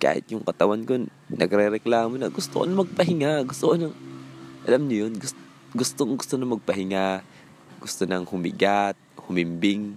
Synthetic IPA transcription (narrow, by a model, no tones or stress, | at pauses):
ka̰ːhɪ̰t̪̚jʊŋkɐt̪ɐwanko | nɐɡɾɛɾɛklaːmonɐ̰ɡʊst̪o̰ʔnɐmɐɡ̚pɐɦɪŋaɡʊst̪oʔonɐŋʔɐlamɲʊjonɡʊst | ɡʊst̪oŋɡʊst̪onɐmɐɡ̚pɐhɪŋa | ɡ̥ʊst̪onɐŋhʊmɪɡat̪̚hʊmɪmbɪŋ